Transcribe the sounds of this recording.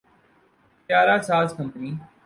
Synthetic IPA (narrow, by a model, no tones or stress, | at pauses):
pjaːɾaːsaːskə̃mpniː